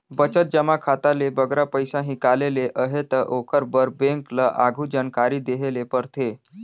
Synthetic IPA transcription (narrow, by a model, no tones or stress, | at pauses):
bət͡ʃət̪̚d͡ʒəmakʰat̪alebəɡɾapəjsãɦikaleleʔəɦet̪əʔokʰəɾbəɾbẽŋkləʔaɡʱũd͡ʒankaɾiːd̪eɦelepəɾt̪ʰe